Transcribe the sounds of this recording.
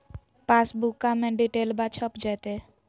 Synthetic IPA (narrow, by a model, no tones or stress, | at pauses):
pasbukːamẽɖiʈeːlbat͡ʃʰəpd͡ʒɛt̪e